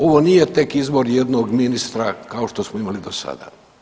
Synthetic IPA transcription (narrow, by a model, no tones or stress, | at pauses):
o̞ʋo̞nije̞t̪e̞kizbo̞ɾjed̪noɡminist̪ɾakao̞ʃt̪o̞smoimalid̪osa̰d̪a̰